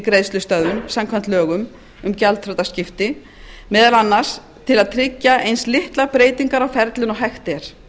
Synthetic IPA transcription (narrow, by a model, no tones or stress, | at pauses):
kɾejðst̪lʏst̪œððʏmsamkʰvant̪lœːɣʏm | ʏmcalt̪fɾɔt̪ascɪft̪ɪ | mɛːðalanːaɾ̥s | t̪ʰɪlaðt̪ʰɾɪcːaʔejnslɪht̪lapɾeːjt̪iŋkaɾawfɛɾt̪lɪnɔɦɛxt̪ɛɾ̥